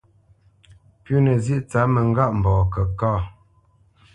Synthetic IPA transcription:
pju˦nə˨zi˦ʔt͡sa˨˦mə˨ŋ˦ɡa˦ʔm̩˨bɔː˨kə˨kaː˦˨

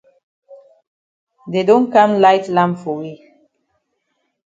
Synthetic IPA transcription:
de˨dɔ̃˦nkã˦mla˦jtlã˦mfɔ˨wi˦˨

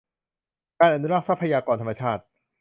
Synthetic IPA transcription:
kaː˧nʔa˨nu˦˥ɾa˥˩k̚sa˦˥pʰːa˧jaː˧kɔː˧nt̪ʰmːa˧t͡ɕʰaː˥˩t̪̚

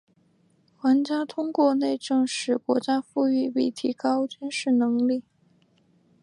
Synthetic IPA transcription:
xwa˧˥nt͡ɕja˥t̪ʰʊ˥ŋkwɔ˥˧ne˥˧ɪʈ͡ʂɤ˥˧ŋʂɻ̩˥˩kwɔ̰˧˥t͡ɕja˥fu˥˧y˥˩pi˥˩t̪ʰi˧˥kɑ˥ʊt͡ɕy˥nʂɻ̩˥˩nɤ˧˥ŋli˥˩

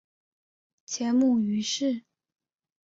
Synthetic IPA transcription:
t͡ɕʰjɛ˧˥nmu˥˩y˧˥ʂɻ̩˥˩

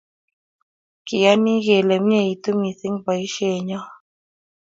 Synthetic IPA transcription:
ki˨ja˦ni˦ɣe˨lɛ˨m̩˦ɲɛ˦˨i˨t̪u˦mi˨θi˦ŋba˨i˦ʃe˦˨ɲɔ˦

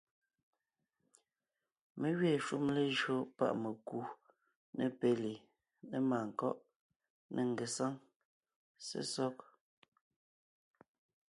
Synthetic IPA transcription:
me˦ɣɥjɛ˦˨ʃu˦mle˦ʒɰo˦pa̰˦ʔme˨ku˨ | ne˦pe˨li˨ | ne˦maː˨ŋ̩˨kɔ˦ʔ | nʔɛ˦˨ŋ˨ɡe˨sa˦ŋ | sḛ˦sɔ˦k̚

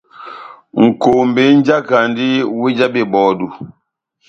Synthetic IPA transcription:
ŋ̩˨ko˨m˨be˨˦n̩˦d͡ʒa˦ka˨n˦di˦wi˦d͡ʒa˦be˨bɔː˨du˨

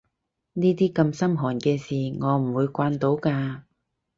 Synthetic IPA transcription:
niː˥t̪̬iː˥kɐ˧msɐ˥mɦɔː˨˩nkɛː˧siː˨˩ŋɔː˨˧m̩˨˩wuː˨˧jkʷaː˧nt̪o˨˥wkaː˧

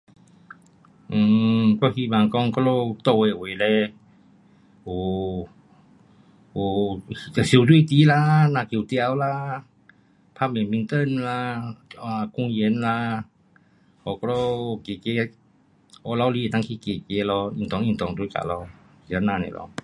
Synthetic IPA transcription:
ʔ̩˨˧˩kɔ˧˦hi˧˨ma˧˨ŋkɔ˧˨ŋkɔ˧˦˧lo˧t̪o˧˨we˧˨we˨lɛ˧˦ | o˨˩ | o˨˩˧ | si˨˦˨t̪wi˧˨t̪i˨˦la˧˦nã˧˨ki˨t̪ja˧˦wla˧˦ | pʰa˧˥˨mɛ˨mi˧˦t̪ə˧˨nla˧a˧˨ku˧˨ŋje˧˦nla˧ | hɔ˨˩kɔ˦˧lɔ˧ke˨ke˧˦ | ʔɔ˧˦la˧wli˧˨e˨t̪ã˧˦ŋkʰi˧˨ke˨˩ke˨˧˦lɔ˧ĩ˧˨ŋt̪ɔ˧ŋĩ˧˨t̪ɔ˧˨ŋt̪wka̰˨lɔ˧˦ | ki˨a˧˦nã˧˨nḛ˨lʔɔ̰˧

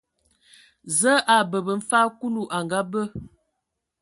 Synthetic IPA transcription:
zə˦ʔa˨bə˨bə˨m̩˦fa˦ku˦lu˨ʔa˨ŋɡa˦bə˦

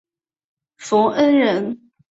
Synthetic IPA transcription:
fo˨˥ʔə˦˥nɻə˧˥n

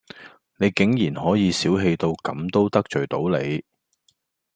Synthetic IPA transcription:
ne˨˧jkɪ˨˥ŋjiː˨˩nhɔː˨˥jiː˨˧siː˨˥wɦe˧jt̪o˧wkɐ̰˨˧˥mt̪o˥wt̪ɐ˥k̚t͡ʃɵ˨˩ɥt̪o˨˥wle˨˧j

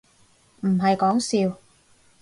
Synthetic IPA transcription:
m̩˨˩ɦɐ˨jkɔː˨˥ŋsiː˧w

